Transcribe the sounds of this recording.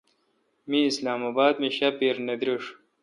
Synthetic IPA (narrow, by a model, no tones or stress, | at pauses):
miːslaːmabaːd̪miɕɐpiɾnɐd̪ɾiʂ